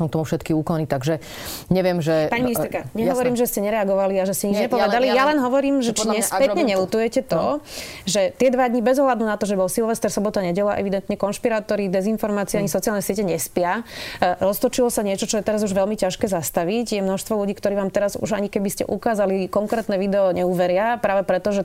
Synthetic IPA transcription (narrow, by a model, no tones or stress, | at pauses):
ɔmkt̪ɔmufʃɛt̪kiuːkɔnit̪aɡʒɛ | ɲɛʋɪɛmʒɛpaɲiminiɛɾkaɲɛɦɔʋɔɾiːmʒɛscɛɲɛɾɛaɡɔʋaliaʒɛscɛɲid͡ʒɲɛpɔʋɛd̪alijalɛnɦɔʋɔɾiːmʒɛt͡ʃiɲɛpɛtɲɛɲɛlut̪ujɛcɛt̪ɔʒɛt̪ɪɛd̪ʋad̪ɲibɛzɔɦlad̪nunat̪ɔʒɛbɔlsilʋɛst̪ɛɾsɔbɔt̪aɲɛɟɛlaʔɛ̰ʋid̪ɛnt̪ɲɛkɔnʃpiɾaːt̪ɔɾid̪ɛzinfɔɾmaːt͡siɛaɲisɔt͡sialnɛsɪɛcɛɲɛspɪa | ɾɔst̪ɔt͡ʃilɔsaɲɪɛt͡ʃɔt͡ʃɔjɛt̪ɛɾazuʒʋɛlmicaʃkɛːzast̪aʋicjɛmnɔʃst̪ʋɔluɟiːkt̪ɔɾiːʋaːmt̪ɛɾazṵʒaɲikɛbiscɛ̰ʔṵkaːzalikɔŋkɾɛːt̪nɛʋid̪ɛɔɲɛuːʋɛɾɪapɾaːʋɛpɾɛt̪ɔʒɛ